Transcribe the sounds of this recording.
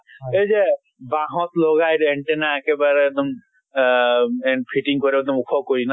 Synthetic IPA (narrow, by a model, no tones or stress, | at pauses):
ed͡ʒe | baɦɔ̃t̪lɔɡajɾeɳʈenaɛkebaɾd̪ɔm | ɛpʰiʈiŋkɔɾebɛd̪ɔmukʰɔkoina